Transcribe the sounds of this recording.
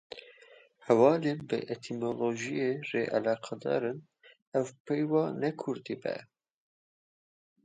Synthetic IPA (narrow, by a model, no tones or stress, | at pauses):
hɛwɑːleːnbɨ̰ʔet̪ʰimoloʒijereːʔɛlɑːqʰɑd̪ɑ̰ːɾɨn | ɛwpejwɑːnɛkʰʊɾd̪ibɛ̰